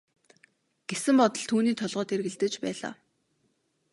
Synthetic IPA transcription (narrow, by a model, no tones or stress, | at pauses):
ɡ̥esɘ̆mpɔt̪ɞ̆ɮt̪ʰuːniːt̪ʰɔɮʁɔːt̪erɣɘ̆ɮt̪ɘ̆t͡ɕpæːɮa̰ː